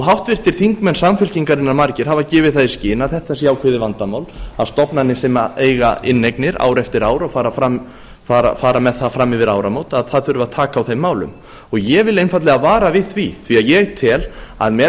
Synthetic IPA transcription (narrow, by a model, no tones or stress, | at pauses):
ɔɦawht̪vɪr̥t̪ɪɾ̥θiŋkmɛnsamfʏlciŋkaɾɪnːaɾmaɾcɪɾ̥hɦavacɪːvɪðθaðɪscɪːnaðθɛht̪asjaːwkʰvɪðɪvant̪amaːwlaðst̪ɔpnanːɪsɛmaejɣa̰ɪnːejknɪɾa̰ːwɾɛft̪ɪɾaːwɾaɣfaːɾafɾam | faːɾa̰faːɾamɛðθaðfɾamːɪvɪɾaːwɾamowt̪aðθaðθʏɾʏvaðt̪ʰaːkaːwθejmːaːwlʏ̰m | ɔɣjɛvɪlejnfat̪lɛɣaðvaːɾavɪðθviθviaðjɛɣt̪ʰɪla̰ðmɛ